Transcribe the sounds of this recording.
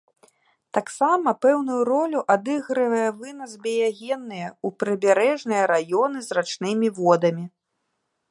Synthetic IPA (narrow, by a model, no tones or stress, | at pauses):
t̪aksamɐpɛwnujuɾɔlʲuʔad̪ɨɣɾɨvɐjɛvɨnɐzbʲɛjaɣʲɛnːɨjɐupɾɨbʲaɾɛʐnɨjɐɾajɔnɨzrat͡ʂnɨmʲivɔd̪ɐmʲi